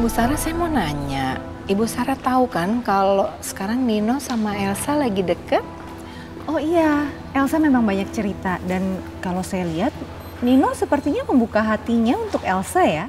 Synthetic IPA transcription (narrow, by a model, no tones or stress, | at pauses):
ibusaɾasajamonaɲa | ibusaɾat̪aukankalosə̥kaɾaŋninosamaɛlsalaɡidəkət̪̚ | ɔhija | ʔɛlsamemaŋbaɲak̚t͡ʃəɾit̪adan | kalosajaliɦat̪̚ | ninosəpərt̪iɲaməmbukaɦat̪iɲaunt̪ʊkɛlsaja